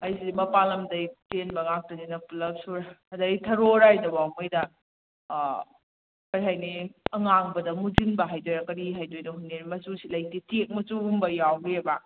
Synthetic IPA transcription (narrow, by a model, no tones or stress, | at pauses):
ɐjsimɐpalɐmdɐjtenbɐŋak̚tɐninɐpulɐp̚suɾɐɐdɐitʰɐɾoɾajdɐwawmɐjdɐ | kɐɾiɦajniɐŋaŋbɐdɐmuzinbɐɦajdojɾɐkɐɾiɦajdojdɐɦunːeɾmɐsusilɐjtitek̚mɐt͡ʃuːmbɐjawɾeba